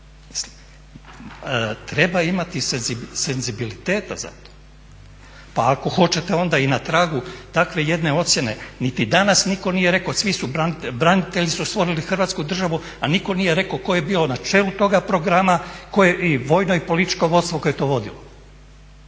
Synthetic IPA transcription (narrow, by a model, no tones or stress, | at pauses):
mi̥sli̥m | t̪ɾe̞baimat̪isezisenzibilit̪e̞ːt̪a̰za̰t̪o̥ | paːko̞xo̞t͡ɕe̞t̪e̞o̞nd̪ainat̪ɾaːɡut̪akʋe̞je̞d̪ne̞o̞t̪sje̞ne̞̰nit̪id̪anasniko̞nije̞ɾe̞kosʋisubanibɾanit̪e̞ʎisust̪ʋo̞ɾilixrʋat̪skud̪r̩ʒaʋu | aniko̞nije̞ɾe̞koko̞je̞biːlo̞nat͡ʃe̞ːlut̪o̞ɡapɾo̞ɡɾamakojeʔiʋo̞jno̞ipo̞lit̪i̥t͡ʃko̞ʋo̞d̪st̪ʋo̞kojet̪o̞ːʋo̞d̪ḭlo